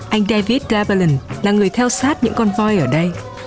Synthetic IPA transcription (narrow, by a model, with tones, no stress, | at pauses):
ʔa˧jŋ̟ɗaː˧vi˦˥t̚zaː˧bə˧lə˧˩nlaː˨˩ŋɨ˨˩əjt̪ʰɛ˧wsaː˦˥t̚ɲɨ̰˧˥ŋkɔ˧nvɔ˧jʔəː˧˩ɗə˧j